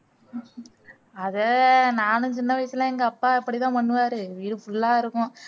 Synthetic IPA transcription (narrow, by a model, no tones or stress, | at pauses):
ɐðɐnaːnɯt͡ʃɪnːɐʋɐɪsɪlãːɛŋɡɐɐpːaːɪpːɐɽit̪ãːpɐɳːɯʋaːɾɯʋiːɽɯfʊɭːaːɪɾɯkːʊ̃